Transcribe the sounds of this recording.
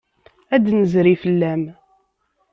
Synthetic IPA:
æd̪nəzɾifəlːæm

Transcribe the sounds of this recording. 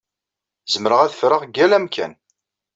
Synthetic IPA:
zəmɾəʁæðəfɾəʁɡːælæmkʰæ̰n

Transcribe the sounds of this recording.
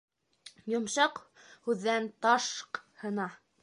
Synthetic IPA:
jŏmʃɑqhʉðːænt̪ɑʃqhɤ̆nɑ

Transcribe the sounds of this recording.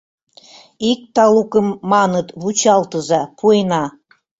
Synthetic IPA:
ik̚t̪ɑlukə̆mːɑnɤ̆t̪βut͡ɕɑlˠt̪ɤ̆zɑpʰuenɑ

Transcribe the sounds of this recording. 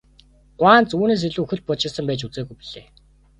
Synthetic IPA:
ɢʷwaːnt͡suːneːs̬iɮuːɵxɵ̆ɬt̪̚pɔt͡ɕɪ̆rsə̆mpæːt͡ɕut͡seːɣujpiɮeː

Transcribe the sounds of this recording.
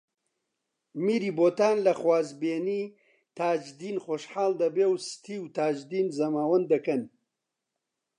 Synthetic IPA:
miːɾiːboːt̪aːnlɐxwaːzbeːniː | t̪ʰaːd͡ʒd̪iːnχoːʃħaːld̪ɐbeːwst̪ʰiːwt̪aːd͡ʒd̪iːnzɐmaːwɐnd̪ɐkɐn

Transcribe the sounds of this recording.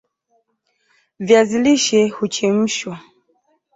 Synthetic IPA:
vjaziliʃɛhut͡ʃɛm̩ʃwa

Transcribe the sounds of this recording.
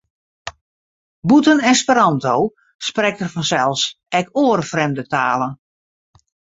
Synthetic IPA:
butənɛnspəɾɔntow | sprɛk̚tərfɔnsɛlˠs | ɛkoərfrɛmdətaːlən

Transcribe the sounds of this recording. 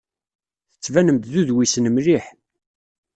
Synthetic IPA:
θə̥t͡sːvænəmt̪ðuðwisnəmɾiħ

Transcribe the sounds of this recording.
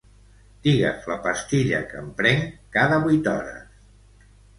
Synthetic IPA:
d̪̥iɣə̰fləpəst̪iʎə̰kəmpɾɛŋkaðəβujt̪ɔ̰ɾə̰s

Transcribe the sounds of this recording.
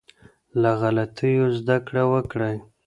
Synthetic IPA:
laɣalat̪ʰəjozd̪akɽawəkɽaj

